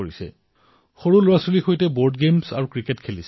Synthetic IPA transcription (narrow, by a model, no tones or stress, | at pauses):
oɹisɛ̰ | xoɹulʊɹasulixojtɛboɹdɡemsa̰ɹukɹiketkʰelis